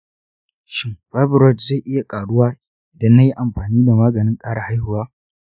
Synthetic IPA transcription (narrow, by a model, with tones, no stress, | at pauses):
ʃɪ˦mɸa˦bɪ˨ɾɔ˦˨tzeː˦˨ʔɪ˦ja˨kʼaː˨ɽʊ˦waː˦ | ʔɪ˨dɐ˦nːa˦ji˦ʔa˨mɸaː˨niː˦da˨maː˦ɡɐ˨nɪ˦ŋkʼaː˦ɽa˨ha˦jhʊ˨waː˦